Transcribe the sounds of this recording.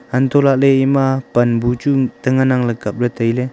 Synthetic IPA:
ant̪ɔlak̚leimapɐnbut͡ʃut̪əŋanaŋləkap̚ɾət̪əjle

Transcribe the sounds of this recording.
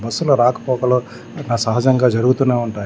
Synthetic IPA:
bɐsːuloɾaːkɐ̥pɔːkɐloː | naːsɐɦɐd͡ʒɐŋɡaːd͡ʒɐɾuɡut̪uneːuɳʈaː

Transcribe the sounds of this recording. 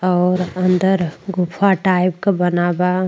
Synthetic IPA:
ɔːɾənd̪əɾɡupʰaʈaɪp̚kebənaba

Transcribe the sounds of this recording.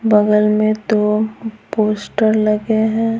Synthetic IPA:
bɐɡəlmẽt̪opoːsʈəɾlɐɡeɦɛ̃ː

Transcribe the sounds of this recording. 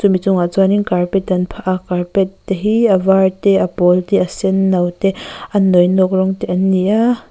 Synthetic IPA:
t͡sumit͡sʊŋat͡saniŋkarpɛt̪̚dɐnpʰaʔakarpɛt̪ːɛɦiɐvart̪ɛʔɐpɔlt̪ɛʔɐsɛnːɐwt̪ɛʔɐnːɔjnɔk̚rɔŋt̪ɛʔɐniʔa

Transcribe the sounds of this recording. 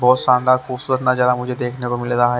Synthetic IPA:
bɔːt̪ʃãːnd̪axubsuːɾət̪nad͡ʒalamʊd͡ʒʱed̪eːkʰnekomɪlɾaɦɛ

